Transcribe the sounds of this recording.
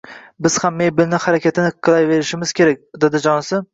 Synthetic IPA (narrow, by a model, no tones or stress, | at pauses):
bɪz̥hamːejbɪlnɪhaɾakʲat̪ʰɪnɪqʰːɨlˠajve̞ɾɪʃɪmɪz̥kʲe̞ɾak̚ʲd̪ed̪ɪd͡ʒɒnɪsɪ